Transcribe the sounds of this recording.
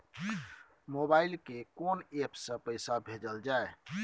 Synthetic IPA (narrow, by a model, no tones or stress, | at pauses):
mobailkekonepsə̃pəɪsabʱed͡ʒəld͡ʒae